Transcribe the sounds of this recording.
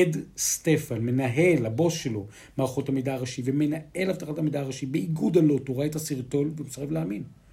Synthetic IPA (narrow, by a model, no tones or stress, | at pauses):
edstefanme̞naɦe̞lhabo̞sʃelo̞ | maːʁχothamidaaʁaʃiveme̞nae̞laftaχatamidaːʁaʃibeiɡudalotoʁaetasiʁto̞lveumesaʁefleamin